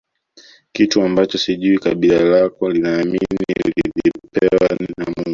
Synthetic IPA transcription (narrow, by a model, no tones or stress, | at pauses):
kituambat͡ʃɔsiʄuikaɓilalakɔlinaːminḭlilipɛwanamuŋɡu